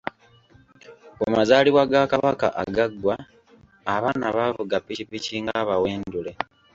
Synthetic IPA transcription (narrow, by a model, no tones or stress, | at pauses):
umazaːliwaɡakaβaka̰ʔaɡaɡwaː | βanaβaːvuɡapːicipːiciŋɡaβawe̞ːndule